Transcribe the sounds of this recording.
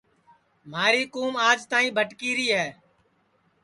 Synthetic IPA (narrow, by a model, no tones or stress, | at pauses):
maːɾiːkuːmaːd͡ʒt̪aːĩːbʱəʈkiːɾiːɦɛː